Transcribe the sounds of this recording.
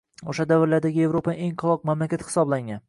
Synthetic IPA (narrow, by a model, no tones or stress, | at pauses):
oʃad̪avɪɾlaɾd̪aɡʲɪje̞vɾopʰaɪeŋqʰɒlˠɒq̚mamlakʲat̪hɪ̥sɒblaŋan